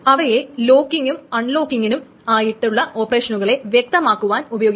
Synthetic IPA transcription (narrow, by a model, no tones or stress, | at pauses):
ɐʋɐje̞lo̞ːkːiŋɡumɐɳlo̞ːkːiŋɡinum | aːjiʈːuɭːɐʔo̞ːpɐreːʂɐnuɣɐɭe̞ʋjek̚t̪ɐmaːkːuʋaːnubɐjo̞ːɡ